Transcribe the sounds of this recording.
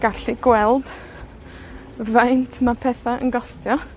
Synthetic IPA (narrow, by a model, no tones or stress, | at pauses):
ɡ̥aɬiɡ̥wɛlˠd̥ | vajntʰmapʰɛːθaʔə̰nɡɔstjɔ